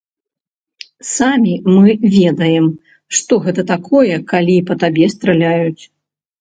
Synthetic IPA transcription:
samʲimɨvʲɛd̪ɐjɛm | ʂt̪ɔɣɛt̪ɐt̪akʰɔjɛkalʲiːpɐt̪abʲɛst̪ɾɐlʲajut͡sʲ

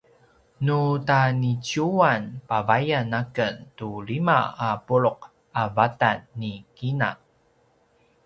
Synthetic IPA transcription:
nutanit͡ɕuanpavajanakəntulima̰apuɭʊq̚ | avatanːikina̰

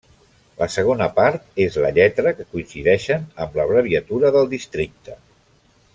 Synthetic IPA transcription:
ləsəɣ̞onəpaɾt̪ezləʎɛt̪ɾəkəkuinsiðɛʃənəmləβɾəβiət̪uɾəðəlˠd̪ist̪ɾik̚t̪ə

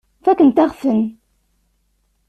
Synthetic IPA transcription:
fækənt̪æʁfən

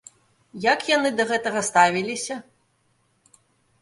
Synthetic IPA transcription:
jɐkjanɨd̪ɐɣɛt̪ɐɣɐst̪avʲilʲisʲɐ

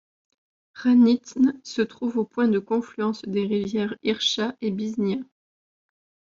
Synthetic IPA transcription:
ʁanit̪nsət̪χuvopwɛ̃d̪əkɔ̃flyɑ̃sd̪eʁivjɛʁiʁʃaʔebiznjɛ̃

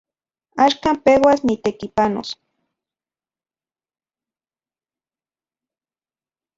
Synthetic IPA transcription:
aʃkaːmpewasnit̪ekipano̰s

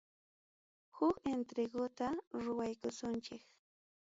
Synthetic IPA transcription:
hʊkent̪ɾeɡʊt̪aɾʊwajkʊsʊnt͡ʃɪk

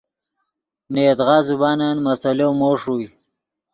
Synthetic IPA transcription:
net̪ʁɑːzubaːnanmasalowmoːʂui

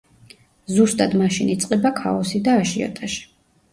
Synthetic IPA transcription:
zust̪ʼad̪maʃinit̪sʼqʼɛbakʰa̰ɔsid̪aːʃiɔ̰t̪ʼaʃi̥

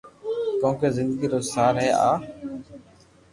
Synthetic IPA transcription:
kõːkeːzɪnd̪əɡiːɾoːsaːɾɦɛːʔa̰ː

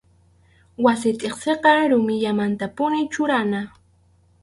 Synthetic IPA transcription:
wasɪt̪ʼeχseqɑɾʊmɪʎamant̪apʊnɪt͡ʃʊɾana

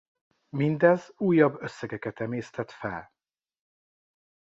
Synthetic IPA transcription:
mind̪ɛzuːjːɒbːøsːɛɡɛkɛt̪ɛmeːst̪ɛt̪fɛ̰l

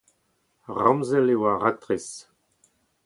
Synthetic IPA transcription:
ʁɑ̃mzɛlewaʁak̚t̪ʁis

